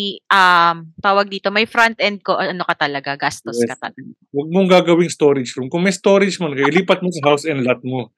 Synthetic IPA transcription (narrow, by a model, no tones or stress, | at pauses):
ʔamt̪aːwɐɡ̚d̪iːt̪o̞mɐjfɾɐnt̪̚ʔɛnd̪̚ko̞ʔɐʔɐnokɐt̪ɐlɐɡaɡast̪oɛskɐɐ̰lɐɡ | wɐɡ̚moŋɡaːɡɐwɪŋst̪oːɾɪd͡ʒɾʊmkʊŋmɐjst̪oːɾɪd͡ʒmɐnkɐjɪliːpɐt̪̚mosɐɦawsɛnd̪lat̪̚mo